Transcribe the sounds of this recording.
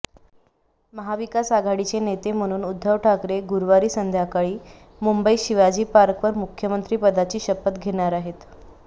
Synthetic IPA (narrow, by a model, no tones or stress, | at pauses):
məɦaʋikasaɡʱaɽit͡ɕenet̪em̤əɽ̃uːnud̪ʱːəʋʈʰakɾeɡuɾʋaɾiːsənd̪ʱjakaɭiː | mumbəiɕiʋad͡ʑiːpaɾkʋəɾmukʰjəmənt̪ɾiːpəd̪ʱat͡ɕiːɕəpət̪ɡʱeɽ̃aɾaɦet̪